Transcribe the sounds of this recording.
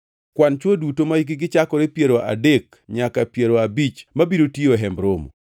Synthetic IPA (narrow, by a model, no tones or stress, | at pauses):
kwant͡ʃwodutomaɡɪɡɪt͡ʃakɔɾepjeɾoʔa̰dek | ɲakapjeɾoabit͡ʃmabiɾotioɦɛmbɾomo̰